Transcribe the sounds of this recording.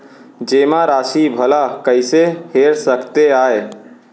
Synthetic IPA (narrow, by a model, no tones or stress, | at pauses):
d͡ʒeːmaɾaːʃibʱəlakəɪseheːɾsəkt̪eaːe